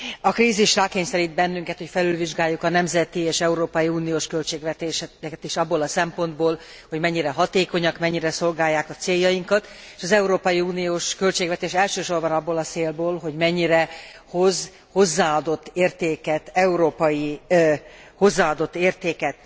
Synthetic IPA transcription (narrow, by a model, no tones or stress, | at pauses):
ɒkriːziʃraːkeːɲsɛɾid̪̚bɛnːyŋkɛt̪ho̞cfɛlylviʒɡaːjːukɒnɛmzɛt̪ieːʃɛuɾoːpɒjiuːnijoːʃkølt͡ʃeːɡʋɛt̪eːʃɛkɛt̪iʃɒbːoːlɒsɛmpo̞nd̪boːl | ho̞ɟmɛɲːiɾɛɦɒt̪eːko̞ɲɒkmɛɲːiɾɛso̞lɡaːjːaːkɒt̪seːjːɒjiŋkɒt̪ | e̥ʃɒzɛuɾoːpɒjiuːnijoːʃkø̞lt͡ʃeːɡvɛt̪eːʃɛlʃøːʃo̞rbɒnɒbːoːlɒt̪seːlboːlɦo̞ɟmɛɲːiɾɛho̞z | ho̞zːaːɒd̪o̞t̪ːeːrt̪eːkɛt̪ɛuɾoːpɒji | ho̞zːaːɒd̪o̞t̪ːeːrt̪eːkɛt̪